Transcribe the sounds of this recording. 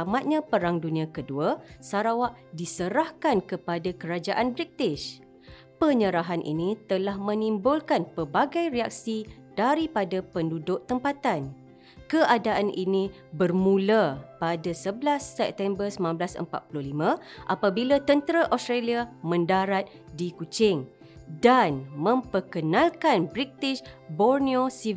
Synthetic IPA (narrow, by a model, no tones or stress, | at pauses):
mat̪̚ɲãpəɾaŋdunĩãkəduasaɾawaʔdisəɾahkankəpadakəɾad͡ʒaʔanbɾik̚t̪ɪʃ | pəɲəɾaɦanʔḭnĩt̪əlahmə̃nĩmbʊlkanpəbaɡajɾiak̚sid̥aɾipadapəndudʊʔt̪əmpat̪an | kəʔadaʔanʔḭnĩ | bərmũlapadasəblasːɛp̚t̪ɛmbərsəmãnblasə̰mpa̰t̪̚pululimãʔapabilat̪ənt̪əɾaʔɔst̪ɾaliamə̃ndaɾat̪̚ | dikut͡ʃɪŋ | danmə̃mpəkənãlkanbɾit̪ɪʃbɔrniosiv